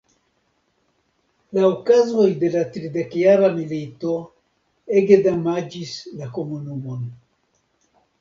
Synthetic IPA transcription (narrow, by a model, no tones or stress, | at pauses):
laokazo̞jde̞latɾide̞kjaɾamilito | eɡedamad͡ʒislakomunumo̞n